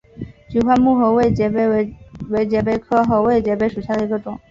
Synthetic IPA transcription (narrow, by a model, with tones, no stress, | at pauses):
t͡ɕy˨˥xwa˥˧nmu˥˩xɤ˧˥ʊwe˥˩ɪt͡ɕɛ˧˥e˧˥˧we˧˥ɪt͡ɕjɛ˧˥pe˧˥ɪkʰɤ˥xo˧˥ʊwe˥˩ɪt͡ɕjɛ˧˥pe˧˥ɪʂu˨˩ɕja˥˩d̪ə˩i˧˥ɡə˧ʈ͡ʂʊ˨˩˦ŋ